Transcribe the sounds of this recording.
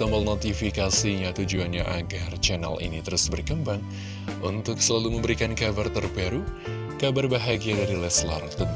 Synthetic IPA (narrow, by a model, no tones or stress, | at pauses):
t̪əməlnot̪ifikasiɲat̪ud͡ʒuanɲaʔaɡart͡ʃɛna̰lḭnit̪əɾusbərkəmbaŋ | unt̪ʊksəlaluməmbəɾikankabart̪ərbaɾu | kabarbaɦaɡiadaɾilɛsla̰rt̪